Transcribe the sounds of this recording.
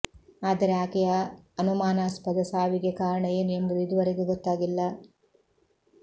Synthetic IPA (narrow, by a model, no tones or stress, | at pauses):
aːd̪ɐɾeaːkɐjɐɐnumaːnaːspɐd̪ɐsaːʋiɡekaːɾɐɳɐjeːnuembɐd̪uid̪uʋɐɾeɡeɡɔt̪ːaːɡilːɐ